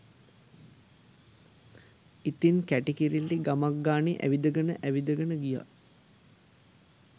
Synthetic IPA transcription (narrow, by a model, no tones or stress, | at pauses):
it̪inkæʈikiɾilːiɡamaɡːaːniʔæ̰ʋid̪əɡənəʔæʋid̪əɡənəɡija̰